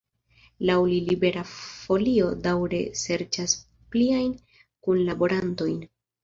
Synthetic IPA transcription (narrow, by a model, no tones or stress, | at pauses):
lawlilibe̞ɾafo̞lio̞dawɾe̞̰se̞ɾt͡ʃas | pliajn | kunlabo̞ɾanto̞jn